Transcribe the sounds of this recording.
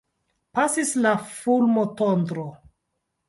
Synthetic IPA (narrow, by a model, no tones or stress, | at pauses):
pasislafulmotondɾo